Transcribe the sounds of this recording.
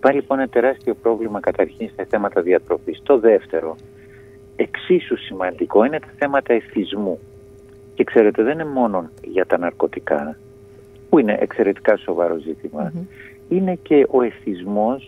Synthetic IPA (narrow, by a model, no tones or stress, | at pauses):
ipɐliponenɐt̪e̞ɾɐst̪io̞pɾo̞vlimɐkɐt̪ɐɾçinst̪ɐθe̞mɐt̪ɐðiɐt̪ɾo̞fist̪o̞ðe̞ft̪e̞ɾo̞ | e̞ksisusimɐnd̪iko̞ine̞t̪ɐ̥θe̞mɐt̪ɐeθizmu | ce̞kse̞ɾe̞t̪e̞ðenemo̞no̞nʝɐt̪ɐnɐɾko̞t̪ikɐ̰ | puine̞̰ʔḛkse̞ɾe̞t̪i̥kɐso̞vɐɾo̞zit̪imɐ | ine̞ce̞ʔo̞e̞θizmo̞s